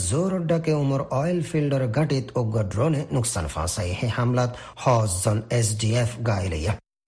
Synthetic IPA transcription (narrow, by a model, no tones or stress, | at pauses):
zoːɾoɖːakeumɔɾɔːjlfʰilɖəɾɡɐʈit̪oɡɐɖɾoːnenuksa̰ːnfã̰ːsaihẽhɐmlat̪hɔːszɔnes̬ɖiefɡaːilə̰ja